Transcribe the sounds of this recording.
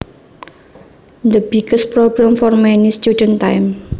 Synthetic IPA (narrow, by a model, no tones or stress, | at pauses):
nd̪əb̥iɡ̥əspɾobɾãmfɔrmɛnist͡ʃudənt̪ajm